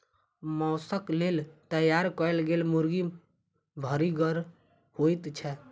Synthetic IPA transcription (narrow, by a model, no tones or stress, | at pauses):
mɔːsəklelt̪əjaɾkəɛlɡelmuɾɡi | bʱəɾiɡəɾ | hojt̪t͡ʃʰɛ